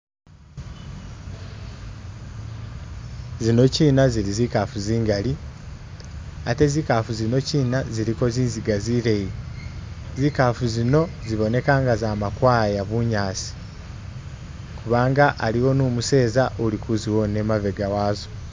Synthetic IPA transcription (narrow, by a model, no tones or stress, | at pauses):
zino̞ciːnaziɾizikaːfuziːŋɡali | ate̞zikafuzino̞ciːnaziɾiko̞ziːnziɡaziɾe̞ji | zikaːfuzino̞ziβo̞ne̞kaːŋɡazaːmakwaːjaβuɲaːsi̥ | kuβaːŋɡaʔaliwo̞nuːmuse̞ːzaʔolikuziwo̞ne̞mave̞ɡawaːzo